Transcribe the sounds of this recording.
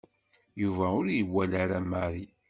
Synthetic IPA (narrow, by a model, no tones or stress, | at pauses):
juvæʊɾjəwːælaɾæmaɾi